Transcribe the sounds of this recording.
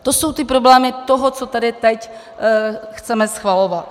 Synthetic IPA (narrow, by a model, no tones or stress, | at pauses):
t̪osowt̪ɪpɾoblɛːmɪt̪oɦot͡sot̪adɪt̪ɛc | xt͡sɛmɛsxvalovat̪